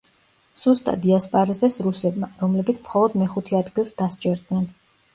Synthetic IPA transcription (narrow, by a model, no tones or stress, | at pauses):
sust̪ʼa̰d̪iaspʼaɾazɛsɾusɛb̪maɾɔmlɛbit̪sʰmχɔlˠɔd̪mɛχut̪ʰɛad̪ɡilˠsd̪ast͡ʃʼɛɾd̪nɛn